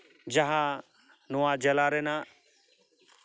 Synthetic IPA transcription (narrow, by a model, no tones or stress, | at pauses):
d͡ʒaɦã | nuaːd͡ʒɐlaːɾenãː